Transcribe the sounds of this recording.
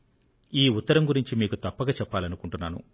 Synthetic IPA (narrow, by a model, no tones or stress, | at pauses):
iːut̪ːɐɾɐmɡuɾiɲt͡ʃimiːkut̪ɐpːɐɡaːt͡ʃɛpːaːlɐnukuɳʈunːaːnṵ